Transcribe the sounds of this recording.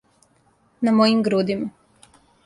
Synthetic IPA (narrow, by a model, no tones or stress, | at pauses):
namojimɡɾud̪ima